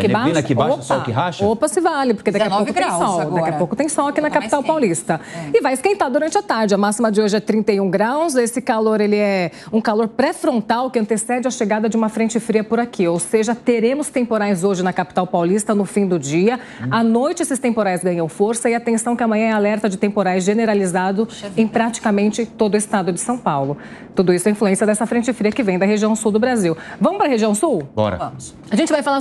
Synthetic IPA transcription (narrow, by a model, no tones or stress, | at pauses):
kɪbainɐkɪbaopsɔkɪɦaʃopɐsɪvalɪpoɾked̪akiɐowʊt̪j̃sɔwd̪akiɐpowkʊt̪ẽj̃sɔ̃wakinɐkapi̥t̪awpawlist̪ɐɪvajɪskẽnt̪ad̪uɾɐ̃nt͡ʃɪɐat̪aɾd͡ʒɪɐmasimɐd͡ʒɪoʒɪɛt̪ɾĩnt̪ejũɡɾawzesɪkaloɾelɪɛũkaloɾpɾɛfɾõnt̪awkɪɐ̃nt̪esɛd͡ʒɪɐʃeɡad̪ɐd͡ʒɪũmɐfɾẽnt͡ʃɪfɾiɐpʊɾakʰiowseʒɐt̪eɾẽmʊst̪ẽmpoɾajzoʒɪnɐkapi̥t̪awpawlist̪ɐnʊfĩd̪ʊd͡ʒiɐ | anojt͡ʃɪesɪst̪ẽmpoɾajzɡɐ̃ɲɐ̃w̃foɾsɐɪat̪ẽsɐ̃w̃kɪɐmɐ̃ɲɐ̃ɛalɛɾt̪ɐd͡ʒɪt̪ẽmpoɾajzʒeneɾalizad̪ʊẽj̃pɾat͡ʃi̥kamẽnt͡ʃɪt̪od̪ʊɪst̪ad̪ʊd͡ʒɪ̥sɐ̃w̃pawlʊ | t̪ud̪ʊisʊɛĩfluẽsiɐd̪ɛsɐfɾẽnt͡ʃɪfɾiɐkɪvẽj̃d̪ɐɦeʒiɐ̃w̃suwd̪ʊbɾaziwvɐ̃mʊpɾɐɦeʒiɐ̃w̃suwbɔ̰ɾɐ̰ | aʒẽnt͡ʃɪvajfala